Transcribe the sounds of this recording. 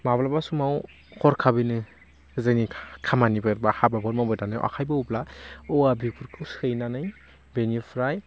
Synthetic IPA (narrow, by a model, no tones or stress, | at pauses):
mablabasumaw | kʰɔɾkʰabɯnɯ | zɯnikʰamanibɯɾbahababɔɾmawbɯdanɯjʔa̰kʰajbaublaɔwabikʰuɾkʰɯwsɯjnanɯj | benipʰɾaj